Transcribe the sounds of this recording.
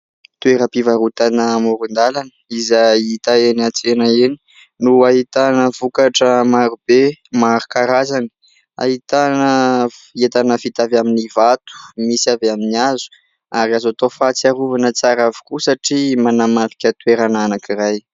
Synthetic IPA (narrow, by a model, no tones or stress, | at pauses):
t̪ueɾəpivaɾut̪anəmuɾund̪alanə̥izait̪aenat͡senaeni | nuaɦit̪anəvukaʈ͡ʂəmaɾubemaɾukaɾazani̥ | a̰ɦit̪anəet̪anəfit̪avaminivat̪u̥misiaveaminiazu̥ | aɾiazat̪ofat͡siaɾuvanət͡saɾavu̥kusaʈ͡ʂimanamavi̥kʲət̪weɾananakiraj